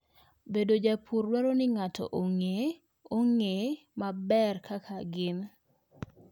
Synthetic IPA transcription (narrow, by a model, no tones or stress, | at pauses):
bedod͡ʒapʰurwɛɾonɪŋatʰɔ̰ʔoŋe | oŋe | mabɛrkakʰaɡɪn